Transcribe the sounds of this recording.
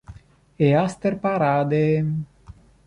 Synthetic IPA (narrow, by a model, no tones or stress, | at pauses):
east̪erpaɾad̪e